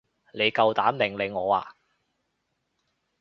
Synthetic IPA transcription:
le˨˧jkɐ˨wt̪aː˨˥mmɪ˨˩ŋle˨˧ŋɔː˨˧wa̰ː˨

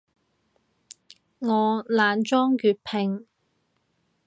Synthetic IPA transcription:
ŋɔː˨˧laː˨˧nt͡ʃɔː˥ŋkyː˨˧t̚pʰɪ˨˩ŋ

